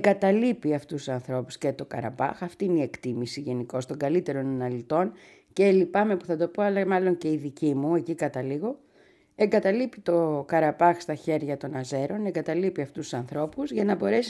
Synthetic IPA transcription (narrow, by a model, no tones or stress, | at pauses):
eŋɡɐt̪ɐlipiɐft̪ussɐnθɾo̞pu̥sce̞t̪o̞kɐ̰ɾɐ̰pɐ̰xɐft̪iineie̞kt̪imisiʝe̞niko̞st̪o̞ŋɡɐlit̪e̞ɾo̞nɐnɐlit̪o̞n | ce̞lipɐme̞puθɐt̪o̞po̞ɐlɐmɐlo̞ɲce̞iðicimue̞cikɐt̪ɐliɣo̞ | eŋɡɐt̪ɐlipit̪o̞kɐɾɐpɐxst̪ɐçe̞ɾʝɐt̪o̞nɐze̞ɾo̞neŋɡɐt̪ɐlipiɐft̪ussɐnθɾo̞puzʝɐnɐbo̞ɾe̞si